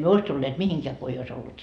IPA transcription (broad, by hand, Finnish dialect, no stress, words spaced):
myø ois tulːeːt mihiŋkeæ ko ei ois olːut